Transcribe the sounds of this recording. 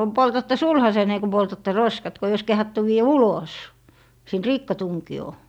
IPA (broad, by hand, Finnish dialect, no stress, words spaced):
poltɑtːɛ sulhɑseːnˑe ku poltɑtːe roskɑt ko ei ois kehɑtːu ʋiːæ ulos siˑnt rikːɑtuŋkioː